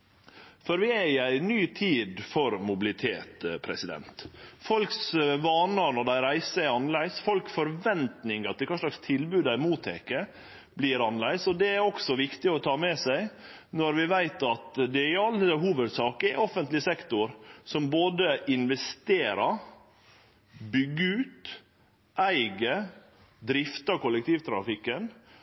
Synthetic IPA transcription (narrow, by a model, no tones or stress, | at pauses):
fɔɾʋɪæɾɪæɪnyːt̪ʰiːd̪fɔɾmʊbɪlɪt̪ʰḛːt̪pʰɾɛ̰sɪd̪ɛ̰nt̪fɔlksʋɑːnəɾnɔɖ̪æɪɾæɪsəɛɾɑnlæɪsfɔlkfɔɾʋɛnt̪nɪŋɑt̪ɛkʰɑːʂlɑkst̪ʰɪlbʉːd̪æɪmuːt̪ʰekə | blɪɾɑnlæɪsɔd̪ɛæɾɔksɔʋɪkt̪ɪɔt̪ʰɑːmɛsæɪ | nɔɾʋɪʋæɪt̪ɑt̪d̪ɛɪɑlːəɦuːʋəd̪sɑːkɛɔfənt̪lɪsɛkt̪ʊɾsɔmboːd̪əʔɪnʋɛst̪eːɾɑɾ | bʏɡːəʉːt̪ | æɪɡə | d̪ɾɪft̪ɑkʊləkt̪iːʋt̪ʰɾɑ̰fɪkːən